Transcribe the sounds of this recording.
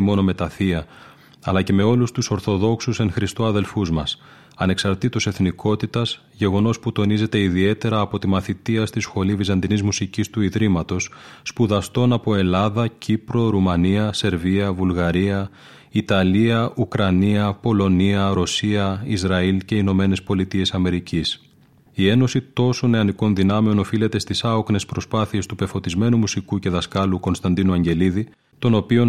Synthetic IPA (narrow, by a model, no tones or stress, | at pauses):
mo̞no̞me̞t̪ɐθiɐ | ɐlɐce̞me̞o̞lust̪uso̞ɾθo̞ðo̞ksuse̞ŋxɾist̪o̞ɐðe̞lfuzmɐs | ɐne̞ksɐɾt̪it̪ose̞θniko̞t̪it̪ɐs | ʝe̞ɣo̞no̞sput̪o̞nize̞t̪e̞iðie̞t̪e̞ɾɐːpo̞t̪imɐθit̪iɐst̪isxo̞livizɐnd̪inizmusicist̪uiðɾimɐt̪o̞sːpuðɐst̪o̞nɐpo̞e̞lɐðɐcipɾo̞ɾumɐniɐse̞ɾviɐvulɣɐɾiɐ | it̪ɐliɐʔukɾɐniɐpo̞lo̞niɐɾo̞siɐizɾɐilce̞ino̞me̞ne̞spo̞lit̪ie̞sɐme̞ɾicis | ie̞no̞sit̪o̞so̞neɐniko̞nðinɐme̞o̞no̞file̞t̪e̞st̪isɐokne̞spɾo̞spɐθie̞st̪upe̞fo̞t̪izme̞numusikuce̞ðɐskɐluko̞nst̪ɐnd̪inuɐɲɟe̞liði | t̪o̞no̞pio̞n